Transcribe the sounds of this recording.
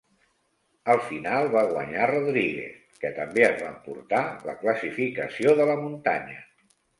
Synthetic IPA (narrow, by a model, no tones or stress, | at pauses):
əlˠfinalˠβaɣwəɲaroðɾiɣḛθ | kət̪əmbeəzβampṵɾt̪alə̰kləsifikəsioðələmunt̪aɲə